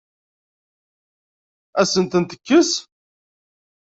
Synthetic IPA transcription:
æsənt̪ənt̪ə̥kːəs

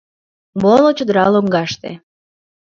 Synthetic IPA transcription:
molot͡ɕod̪əɾɑloŋɡɑʃt̪ḛ

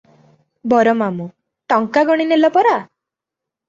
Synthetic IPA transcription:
bɔɾɔmamũ | ʈɔŋkaɡɔɽ̃inelɔpɔɾa

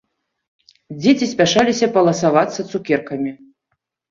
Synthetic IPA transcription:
d͡zʲet͡sʲisʲpʲaʂalʲisʲɐpɐlˠɐsavat̪sːɐt̪sukʲɛrkɐmʲi

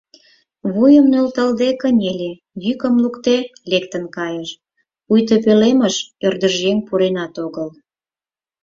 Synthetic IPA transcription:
βujəmnølt̪əld̪ekənʲelʲe | jykə̆mlukt̪elekt̪ənkɑjəʃ | ujt̪̬əpeleməʃørd̪əʒeŋpuɾenɑt̪oɣəl

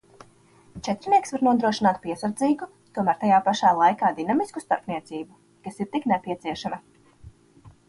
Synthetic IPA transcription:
t͡ʃɛt̪ɾniɛksvaɾnuɔd̪ɾuɔʃinaːt̪̚piɛsaɾd̪ziːɡu | t̪uɔmæːɾt̪ajaːpaʃaːlˠajkaːd̪inamiskust̪aɾpniɛt̪siːbu | kasiɾt̪iknɛpʲiɛt̪siɛʃamɐ

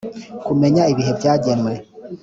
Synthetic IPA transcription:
kume̞ɲaiβiɦe̞vjaːɟenwe̞

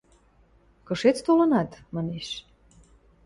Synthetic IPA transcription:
kɤ̆ʃet͡st̪olɤ̆nɑt̪mɑneʃ

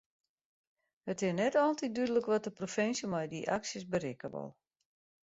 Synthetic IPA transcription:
hətɪsnɛtɔlˠtit̚dydələkʋɔt̚dəprofɪnsjəmajdiʔaksəsbəɾɪkəʋɔ̰lˠ

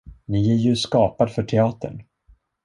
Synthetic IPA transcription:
nɪæɾjɵskɑːpad̪fœʈʰɛɑːt̪ə̰ɳ

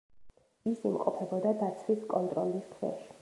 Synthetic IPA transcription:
isimqʼɔpʰɛbɔd̪ad̪at̪sʰwiskʼɔnt̪ʼɾɔliskʰvɛ̰ʃi̥

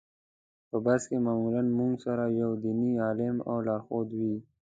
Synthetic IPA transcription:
pəbaskemaːmulanmʊŋɡsaɾajawd̪iniaːlɪma̰wlɑːxod̪wi

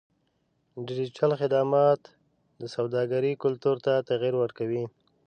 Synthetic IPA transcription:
ɖɪd͡ʒit͡ʃalxɪd̪amɑt̪ | d̪əsawd̪ɑɡaɾikʊlt̪uɾt̪at̪aɣiɾwəɾkawi

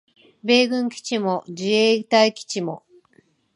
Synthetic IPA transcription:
be̞ːɡɯ̟̃ŋkʲi̥t͡ɕimo̞d͡ʑieːt̪aikʲi̥t͡ɕimo̞̰

